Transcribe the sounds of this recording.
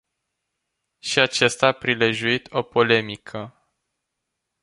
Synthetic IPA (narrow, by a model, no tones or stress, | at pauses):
ʃiat͡ʃest̪aːpɾile̞ʒuit̪o̞po̞le̞mikʰə